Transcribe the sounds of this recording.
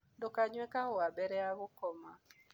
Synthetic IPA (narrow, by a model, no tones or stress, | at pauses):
ndɔkaɲwɛkahɔabɛɾɛaɣukɔma